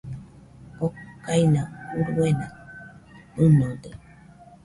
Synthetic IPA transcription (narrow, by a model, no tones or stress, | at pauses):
okajnãuɾuwenã | unõd̪e